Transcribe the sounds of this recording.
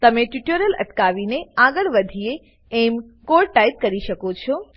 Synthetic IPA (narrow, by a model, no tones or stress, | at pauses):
t̪əmeʈuʈəɾələ̰ʈkaʋineaɡəɭʋəd̪ʱije | ɛm | koɾʈait̪̚kəɾiʃəkot͡ʃʰo